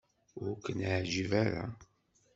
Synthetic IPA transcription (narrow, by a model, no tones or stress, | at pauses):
ʊɾkːənaʕʒivaɾa̰